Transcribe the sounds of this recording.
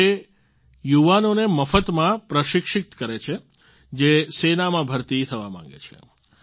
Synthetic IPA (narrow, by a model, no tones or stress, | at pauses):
e | juʋanoneməfət̪mãpɾəʃɪkʃɪk̚t̪kəɾet͡ʃʰe | d͡ʒesenamãbʱəɾt̪it̪ʰəʋamã̰ŋɡḛt͡ʃʰḛ